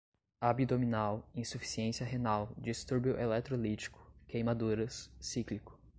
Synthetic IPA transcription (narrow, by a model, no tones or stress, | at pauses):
abid̪ominawĩsufi̥siẽsiɐɦenawd͡ʒist̪uɾbjʊʔelɛt̪ɾolit͡ʃi̥kʊ̥kejmad̪uɾɐsːiklikʊ̥